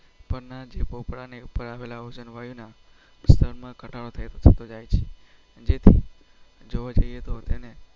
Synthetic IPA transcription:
pəɾnad͡ʒepopɽaneupəɾaʋelaod͡ʒənʋajuna | st̪ʰəɾmãkəʈaɽot̪ʰajt̪ot̪ʰət̪od͡ʒajt͡ʃʰe | d͡ʒet̪ʰi | d͡ʒoʋad͡ʒəjet̪ot̪ene

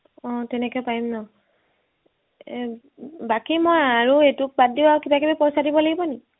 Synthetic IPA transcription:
ɔ̃tɛnekɔjpaimnɔ | bakimɔjaɹuetʊk̚baddibaukibakibipɔsadibɔlaɡibɔni

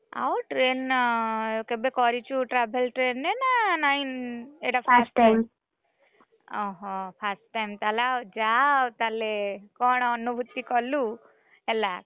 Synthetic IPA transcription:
a̰oʈɾen | kebekɔɾit͡ʃʰuʈɾabʱelʈɾenːenanaineʈaasam | ɔɦɔ̃pʰasʈːajmt̪alawd͡ʒat̪alekɔɳ̃ɔnubʱut̪ːikɔlu | ɛla

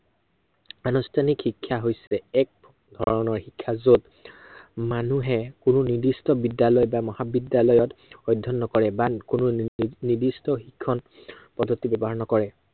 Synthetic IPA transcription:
anustʰanikxikʰːaɦojsɛɛk̚ | dʱɔɹɔnɔɹxikʰːazot | manuɦɛkʊnʊnidistɔbidjalɔjbamɔhabidjalɔjɔtɔjdʱːɔnːɔkɔɹɛbakʊnʊnidistɔxikʰːɔnpɔdʱːotːibɛbɔɦaɹnɔkɔɹɛ

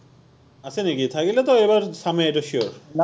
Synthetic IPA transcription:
asʰenikit̪ʰakilet̪oebaɾʃameeʈaʃioɾ

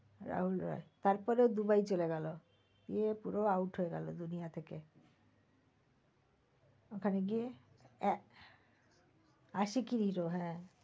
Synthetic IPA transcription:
ɾa̰ɦulɾɔ̰et̪aɾpɔɾeod̪ubajt͡ɕoleɡɛlo | ɡiepuɾoawʈɦoeɡa̰lo̰d̪unijat̪ʰeke | okʰaneɡie | aʃikiɾiɾoɦɛ̃

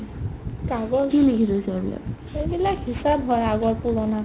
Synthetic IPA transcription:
kaɡɔkinikʰidojsabḭla̰k | ejbilakɦisabɦɔjaɡɔɹpulɔna

